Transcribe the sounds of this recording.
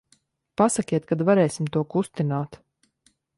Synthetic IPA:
pasakʲiɛt̪̚kad̪vaɾɛːjsimt̪uɔkust̪inaːt̪

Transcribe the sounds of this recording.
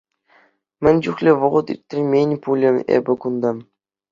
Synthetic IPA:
mʲɘ̆nʲd͡ʑuχlʲĕʋɤ̆ʁɤ̆t̪ḭrʲtʲːɘ̆mʲenʲpulʲɘ̆ḛbʲɘ̆kund̪ɑ

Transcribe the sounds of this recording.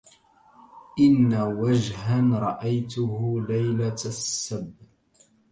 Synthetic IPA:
ʔɪnːawad͡ʒhanɾˤɑʔajt̪ʊhʊlajlasːabː

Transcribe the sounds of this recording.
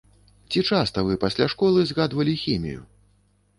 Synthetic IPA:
t͡sʲit͡ʂast̪ɐvɨpɐsʲlʲaʂkɔlˠɨzɣad̪vɐlʲixʲimʲḭjṵ

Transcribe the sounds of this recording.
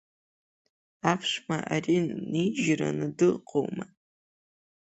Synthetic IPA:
aːpʰʂmɐʔariːniʒɪɾɐ̰nɨdɨlqʰowmɐ

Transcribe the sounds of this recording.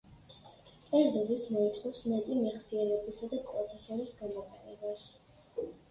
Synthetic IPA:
kʼɛɾzɔlismɔit̪ʰχɔfsmɛt̪ʼimɛχsiɛlɛbisad̪apʼɾɔt̪sʰɛsɔɾisɡanmɔqʼɛnɛbas

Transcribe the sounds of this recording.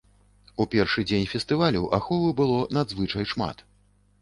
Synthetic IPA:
upʲɛrʂɨd͡zʲenʲfʲɛst̪ɨvalʲuʔa̰xɔvɨbɨlˠɔnad̪zvɨt͡ʂɐjʂma̰t̪

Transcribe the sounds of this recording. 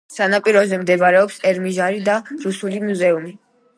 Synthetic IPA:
sanapʼiɾɔzɛmd̪ɛbɾɛɔpsɛɾmiʒaɾid̪aɾusulimuzɛumi

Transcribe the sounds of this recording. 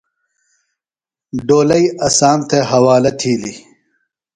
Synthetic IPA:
ɖoːlɐjɐsaːmt̪ʰeɦɐwaːlɐt̪ʰiːlḭ

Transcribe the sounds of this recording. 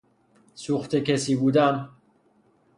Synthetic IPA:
suxt̪ʰekesiːbuːd̪æm

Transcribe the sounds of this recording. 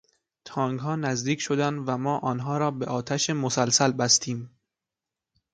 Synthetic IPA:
t̪ʰɒːŋɡɦɒːnæzd̪iːcʰʲʃo̞d̪ænd̪væmɒːʔɒːnɦɒːɾɒːbeʔɒːt̪ʰæʃemosælsælbæst̪ʰiːm

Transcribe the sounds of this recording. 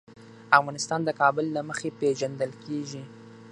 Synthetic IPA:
afɣɑnɪst̪ɑnd̪əkɑbʊlːaməxepeʒand̪əlkeʒi

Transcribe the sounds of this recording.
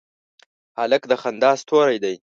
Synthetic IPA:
haləkd̪əxand̪ɑːst̪ʰoɾajd̪aj

